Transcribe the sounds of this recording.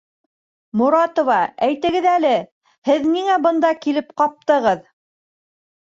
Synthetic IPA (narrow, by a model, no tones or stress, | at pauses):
muɾɑt̪ŏvɑæjt̪ɘ̆ɡɘðælɘ | hɘðniŋæbɤ̆nd̪ɑkilɘp̚qɑp̚t̪ɤ̆ʁɤð